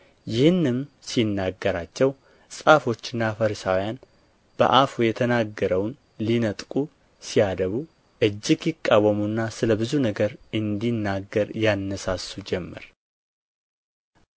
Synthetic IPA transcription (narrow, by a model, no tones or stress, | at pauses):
jɪhɨnːɨmsinːaɡːəɾat͡ʃːɛw | sʼafo̞t͡ʃːɪnːafəɾsawjan | b̥ə̰ʔafujɛt̪ʰənaɡːəɾəwn | linət̪ʼkʼu | sijad̪əβu | ʔɨd͡ʒːɪɡjɪkʼːawːəmunːasɨləbɨzunəɡəɾɨnd̪inːaɡːəɾjanːəsasːud͡ʒɛmːə̰ɾ